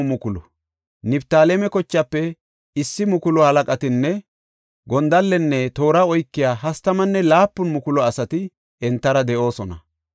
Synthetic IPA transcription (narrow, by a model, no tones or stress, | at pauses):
mʊkʊlɔ | nɪbt̪aːlɛmɛkɔt͡ʃːɐpːɛ | ɪsːɪmʊkʊlɔhɐlɐkʼɐt̪ɪnːɛ | ɡɔnd̪ɐlːɛnːɛt̪o̞ːɾaɔjkːɪjaːɦɐst̪ɐmɐnːɛlaːpːʊnmʊkʊlɔɐsɐt̪ɪ | ɛnt̪ːɐɾɐd̪ɛʔo̞ːsɔnɐ̰